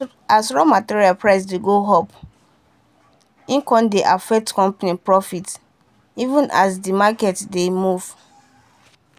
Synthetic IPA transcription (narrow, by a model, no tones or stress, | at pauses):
asɹɔmatiɹialpɹaɪs̬deɡoɦɔp | ĩŋkɔ̃ndeʔafɛk̚tkɔ̃mpanipɹɔfit | ivũnʔasdimakɛtdemuv̥